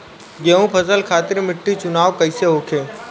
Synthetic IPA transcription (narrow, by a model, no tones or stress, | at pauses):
ɡeːũpʰəzəlkʰaːt̪ɪɾmɪʈːit͡ʃʊnaːʋkəɪseɦoːkʰeː